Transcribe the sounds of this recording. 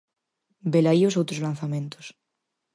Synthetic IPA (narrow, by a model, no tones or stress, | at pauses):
belaios̬owt̪ɾozlanθamẽnt̪os